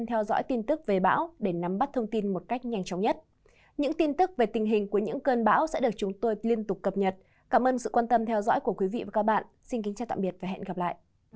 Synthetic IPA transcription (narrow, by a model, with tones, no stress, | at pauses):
t̪ʰɛ˧wzɔ̰ː˧˥jt̪i˧nt̪ɨ˦˥k̚ve˨˩ɓa̰ː˧˥wɗe˧˩na˨˦mɓa˦˥t̚t̪ʰə˧wŋ͡mt̪i˧nmo˨˩t̚ka˦˥jk̟̚ɲa˧jŋ̟t͡ɕɔ˨˦wŋ͡mɲə˦˥t̚ | ɲɨ̰˧˥ŋt̪i˧nt̪ɨ˦˥k̚ve˨˩t̪ï˨˩ŋ̟ɦï˨˩ŋ̟ku˧˩əɲɨ̰˧˥ŋkəː˧nɓa̰ː˧˥wsɛ̰˧˥ɗɨ˨˩ək̚t͡ɕʊ˨˦ŋ͡mt̪o˧jli˧ənt̪ʊ˨˩k͡p̚kːə˨˩p̚ɲə˨˩t̚ | kaː˧˩mʔəː˧nsɨ̰˧˨kwaː˧nt̪ə˧mt̪ʰɛ˧wzɔ̰˧˥jku˧˩əkwi˨˦vḭ˧˨vaː˨˩ka˦˥k̚ɓa̰ː˧˨nʔsi˧nkï˨˦ŋ̟t͡ɕaː˨˧˩t̪a̰ː˧˨ɓi˨˩ət̚va˨˩ɦɛ̰˧˨nɣa˨˩p̚la̰ː˧˨jʔ